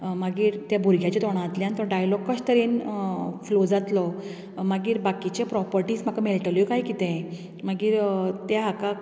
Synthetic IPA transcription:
maɡiːɾt̪jabʱuɾɡʱjat͡ɕet̪ɔɽ̃ãːt̪ljanənt̪əɾɖajlɔɡkəɕt̪əɾinflod͡zat̪lɔ | maɡiːɾbakit͡ɕepɾɔpəɾʈiːsm̤akamelʈəljokaɦikit̪ɛ̃ | maɡiːɾt̪jaɦaka

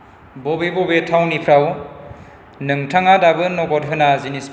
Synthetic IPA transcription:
bɔbebɔbetʰawnipʰɾaw | nɯŋtʰaŋadabɯnɔɡɔt̚ɦɯnazinis

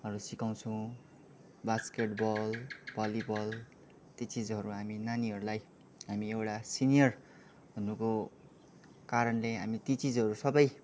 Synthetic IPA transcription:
ʌɾusikaw̃t͡sʰʌw̃ | baskeʈbʌlbʱʌlibʌl | t̪it͡sid͡zɦʌɾuɦaminaniɦʌɾulaj | ɦamiewʈasinijʌr | bʱʌnːuko | kaɾʌnleɦamit̪it͡sid͡zɦʌɾusʌbʌj

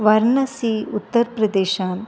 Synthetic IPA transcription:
ʋɐɾnɐsiːut̪ːɐɾpɾɐd̪eːʃaːn

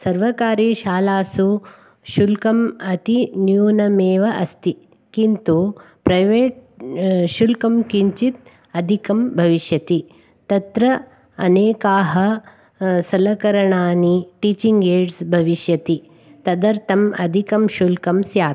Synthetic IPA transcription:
sɐɾʋɐkaːɾiːʃaːlaːsu | ʃulkɐmɐt̪injuːnɐmeːʋɐʔɐst̪i | kint̪u | pɾɐjʋeːʈ̚ | ʃulkɐmkiɲt͡ʃit̪̚ | ɐd̪ʱikɐmbʱɐʋiʃjɐt̪i | t̪ɐt̪ɾɐ | ɐ̰neːkaːɦɐ | sɐlɐkɐɾɐɳaːniʈiːt͡ʃiŋɡeːɖsbʱɐʋiʃjɐt̪i | t̪ɐd̪ɐɾt̪ʰɐmɐ̰d̪ʱikɐmʃulkɐmsjaː

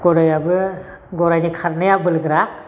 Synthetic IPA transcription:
ɡɔɾɔjabɯ | ɡɔɾajnikʰaɾnajabɯlɡɯɾa

